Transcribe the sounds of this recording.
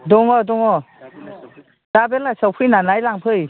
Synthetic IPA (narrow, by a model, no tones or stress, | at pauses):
dɔŋɔdɔŋɔ | d̥abelasawpʰɯjnanajlaŋpʰɯj